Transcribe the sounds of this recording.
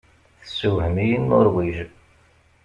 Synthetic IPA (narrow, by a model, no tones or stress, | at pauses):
θəsuhəmijənːʊɾwiʒ